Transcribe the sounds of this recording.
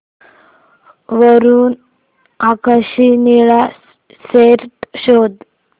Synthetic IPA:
ʋəɾuːn | akaɕiniɭa | seɾʈɕod̪

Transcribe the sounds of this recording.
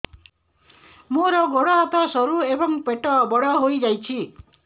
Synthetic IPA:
moɾʌɡoɽʌːt̪ʌsʌɾuebʌŋpeʈːʌbʌɽʌɦojd͡zajt͡sʰi

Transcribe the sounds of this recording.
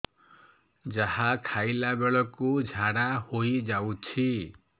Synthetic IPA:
d͡ʒaɦakʰajlabeɭɔkud͡ʒʱaɽahoid͡ʒawt͡ʃʰi

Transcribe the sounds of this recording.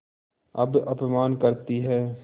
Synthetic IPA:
ɐ̰bɐpmaːnkɐɾt̪iɦɛː

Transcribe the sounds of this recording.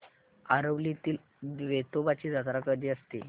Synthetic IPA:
aɾəʋlit̪iːl | ʋet̪obat͡ɕiːd͡zat̪ɾakəd̪iːəst̪ḭ

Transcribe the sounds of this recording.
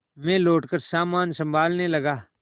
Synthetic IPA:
mɛ̃ːloːʈkəɾsaːmaːnsə̃mbʱaːlnelɐɡaː

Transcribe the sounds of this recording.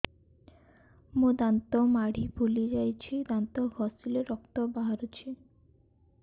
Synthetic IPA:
mũd̪ant̪omaɽ̤ibʱulid͡ʒajt͡ɕʰid̪ant̪oɦɔsileɾɔk̚t̪obaɦaɾut͡ɕʰi

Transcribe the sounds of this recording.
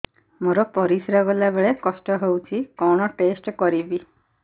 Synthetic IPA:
moɾɔpɔɾisɾɔɡɔlabeɭekɔsʈɔɦewt͡ʃʰikɔɽ̃ɔʈesʈkɔɾibi

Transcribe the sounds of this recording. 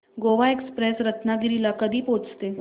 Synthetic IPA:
ɡoʋaekspɾesɾət̪naɡiɾilakəd̪ʱiːpot͡st̪e

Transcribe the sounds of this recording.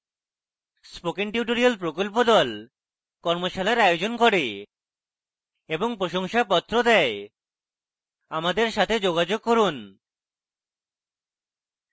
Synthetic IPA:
spokiŋʈiuʈoɾialpɾokolpod̪ɔl | kɔɾmoʃalaeɾaod͡ʑonkoɾe | eboŋpɾoʃoŋʃapɔt̪ːɾod̪ɛe | amad̪eɾʃat̪ʰed͡ʑoɡad͡ʑoɡ̚koɾun

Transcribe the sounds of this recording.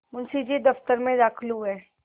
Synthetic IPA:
mʊnsid͡ʒid̪ɐft̪əɾmẽd̪aːkʰluɦɛː

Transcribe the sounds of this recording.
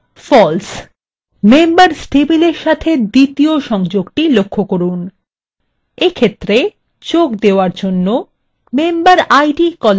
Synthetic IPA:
fɔls | membaɾsʈebileɾʃat̪ʰed̪it̪ioʃɔŋd͡ʑoɡʈilokʰːokoɾun | ekʰet̪ːɾe | t͡ɕokd̪eoaɾd͡ʑonːo | membaɾajɖikɔl

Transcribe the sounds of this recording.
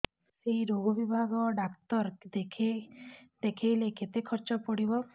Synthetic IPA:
seiɾoɡɔbibʱaɡɔɖakt̪ɔɾd̪ekʰed̪̥ekʰijleket̪ekʰɔɾt͡ʃɔpɔɽibɔ

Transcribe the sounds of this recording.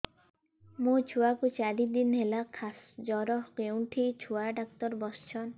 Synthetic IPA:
mũt͡ʃʰuakut͡ʃaɾid̪inɦelakʰasd͡ʒɔɾɔɦkewɳʈʰit͡ʃʰuaɖak̚t̪ɔɾbɔst͡ʃʰɔn

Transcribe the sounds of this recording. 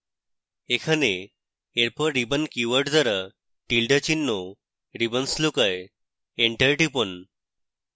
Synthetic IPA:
ekʰane | eɾpəɾibənkuʋəʈd͡z̪əɾa | ʈilɖət͡ɕinːo | ɾibənslukaj | eɳʈəjʈipən

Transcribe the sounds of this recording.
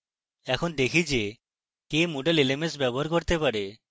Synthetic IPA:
ɛkʰond̪ekʰid͡ʒe | kemoɖelelemes̬bɛboɦaɾkoɾt̪epaɾe

